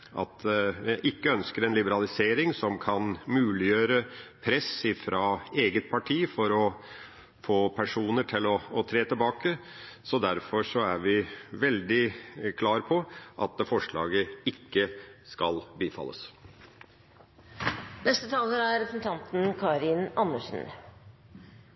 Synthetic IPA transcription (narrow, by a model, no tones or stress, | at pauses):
ʔɑ̰t̪ʋɪʔɪkːəœnskəɾɛnlɪbəɾɑlɪseːɾɪŋsɔmkʰɑnmʉːlɪjøːɾəpʰɾɛsɪfɾɑːeːɡət̪̚pʰɑʈʰiːfɔɾɔ | foːpʰæʂuːnəʈʰɪlɔːt̪ʰɾeːt̪ɪlbɑːkə | sɔd̪æɾfɔʂɔæɾʋɪʋɛld̪ɪkʰlɑːɾpʰɔʔɑ̰t̪̚d̪ɛfɔʂɭɑ̰ːɡəɪkːəskɑlbiːfɑ̰lːə̰s | d̪ɛst̪ət̪ʰɑːləɾæɾɛpɾsn̩t̪ʰɑnt̪n̩kʰɑːɾɪnɑnːəʂn̩